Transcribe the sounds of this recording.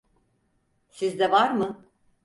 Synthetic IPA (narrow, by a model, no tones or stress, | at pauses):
sizd̪ɛvaɾmɯ